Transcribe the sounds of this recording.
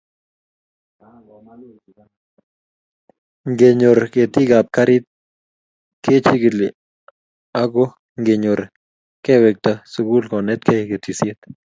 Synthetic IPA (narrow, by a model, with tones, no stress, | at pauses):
ŋɡe˨ɲo˨ɾke˨t̪i˦ɡa˨p̚ka˦ɾɪ˦t̪̚ | kʰe˦t͡ʃi˦ɡɪ˨lɪ | a˦ɡo˦ | ŋɡe˨ɲo˨ɾ | kɛ˦wɛ˨k̚t̪asu˨ɡu˦lkɔ˨nɛ˦t̪̚kʰɛ˦ke˨t̪i˨sje˦t̪